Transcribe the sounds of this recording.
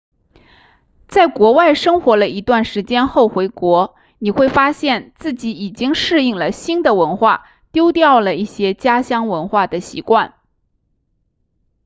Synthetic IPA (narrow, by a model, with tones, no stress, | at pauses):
t͡sa˥˩ɪkwɔ˧˥wa˥˩ɪʂɤ˥ŋxwɔ˧˥lə˧i˧˥t̪wa˥˩nʂɻ̩˧˥t͡ɕjɛ˥nxo˥˩ʊxwe˧˥ɪkwɔ˧˥ | ni˨˩xwe˥˩ɪfa˥ɕjɛ˥˧nt͡sɹ̩˥˩t͡ɕi˧˥i˨˩t͡ɕi˥ŋʂɻ̩˥˧i˥˩ŋlə˩ɕi˥nd̪ə˨wə˧˥nxwa̰˥˩ | t̪jo˥ʊt̪jɑ˥˩ʊlə˩i˥˩ɕjɛ˥t͡ɕja˥ɕjɑ˥ŋwə˧˥nxwa˥˩d̪ə˩ɕḭ˧˥kwa˥˩n